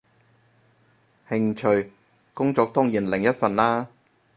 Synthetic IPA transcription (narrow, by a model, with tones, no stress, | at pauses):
hɪ˧ŋt͡ʃʰɵ˨ɥ | kʊ˥ŋt͡sɔː˨˧k̚t̪ɔ˥ŋjiː˨˩nlɪ˨˩ŋjɐ˥t̚fɐ˨nlaː˥